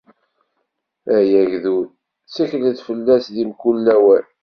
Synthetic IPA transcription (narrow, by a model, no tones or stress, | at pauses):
æjæʝðuð | t͡sːæçləθfəlːæsðimkulːæwæn